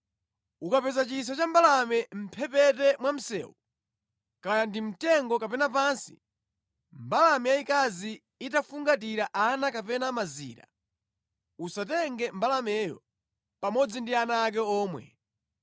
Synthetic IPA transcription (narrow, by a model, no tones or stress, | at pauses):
ukapɛzat͡ʃis̬at͡ʃambalamɛm̩pʰɛpɛtɛmwam̩sɛ̰ːwu | kajandim̩tɛŋɡɔkapɛnap̬ansḭ | mbalamɛjaikaziː | tafuŋɡat̬iɾaʔanakapɛnamazḭːɾa̰ | usatɛŋɡɛmbalamɛjɔ̰ | pamɔd͡zindianaːk̬ɛɔːmwɛ̰